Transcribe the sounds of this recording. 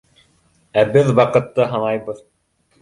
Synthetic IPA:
æbɘðwɑqɤ̆t̪ːɤɦɑnɑjbɤð

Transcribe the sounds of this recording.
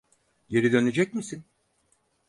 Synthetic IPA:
ɟe̞ɾid̪ø̞ne̞d͡ʒɛcmisin

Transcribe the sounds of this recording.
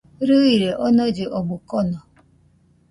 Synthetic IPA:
ɾuiɾeʔɔnɔd͡ʒɪʔɔɡ͡bʊkɔnɔ

